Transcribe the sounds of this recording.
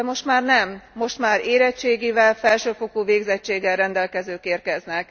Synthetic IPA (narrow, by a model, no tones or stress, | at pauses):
mo̞ʃt̪maːrnɛmːo̞ʃt̪maːɾeːɾɛt͡ʃːeːɡivɛlfɛlʃøːfokoːveːɡzɛt͡ʃːeːɡːɛlrɛnd̪ɛlkɛzøːkeːrkɛznɛk